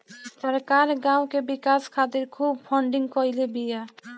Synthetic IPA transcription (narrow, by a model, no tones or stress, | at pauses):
səɾkaːɾɡãːwkebɪkaːskʰaːt̪ɪɾkʰuːb̚pʰɔ̃ɳɖɪ̃ŋɡkɔɪlebija